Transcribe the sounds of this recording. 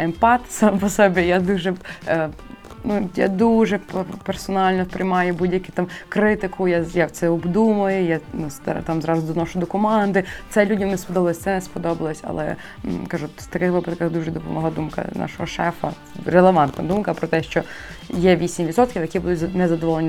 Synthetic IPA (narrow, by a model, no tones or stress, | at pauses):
empɑt̪sɑmpɔsɔbʲijad̪uʒɛ | nuja̰d̪uʒɛppersɔnɑlʲnɔpɾɪjmɑjʊbudʲjɐkʲɪt̪ɑmkɾɪt̪ɪkʰʊjajawt̪sɛɔbd̪umɐjʊjanust̪t̪amzɾɑzʊd̪ɔnɔʃʊd̪ɔkɔmɑnd̪ɪt̪sɛlʲudʲɐmnɛspɔd̪ɔblˠɔsʲt̪ɛnɛspɔd̪ɔbɐlˠɔsʲɐ̰lˠɛ̰ | kɐʒuwt̪ɐkɪxʋɪpɐd̪kɐxd̪uʒɛd̪ɔpɔmɔɦlˠad̪umkɐ̰nʔɑ̰ʃɔɦɔʃɛfɐ̰ | ɾelˠeʋɑnt̪nɐ̰d̪umkɐpɾɔt̪ɛʃt͡ʃɔ | jɛʋʲisʲimʋʲid̪sɔt̪̚kʲiwjɐkʲibud̪ʊtʲznɛzɐd̪ɔʋɔlˠenʲ